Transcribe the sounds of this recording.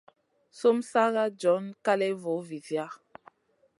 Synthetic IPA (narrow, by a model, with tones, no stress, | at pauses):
so˦msa˦ɣa˦d͡ʒɔ˨˦nka˦lɛ˦vo˨˦vi˨θja˦